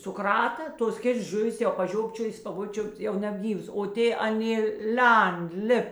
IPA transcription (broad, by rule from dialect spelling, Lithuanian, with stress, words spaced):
sʊˈk rɐtɐ ˈtoːs ˈkʲeːts ˈʒʊʋʲɪs jɛʊ pɐˈʒʲoːpʲt͡ʃʲoːjɪs ɐ ˈʋoː ˈt͡ʃʲʊpt ˈjɛʊ nʲɛbʲˈɡʲiːʋɐs oː ˈtʲeː ɐˈnʲeː ˈlʲɛnt ˈlʲɪp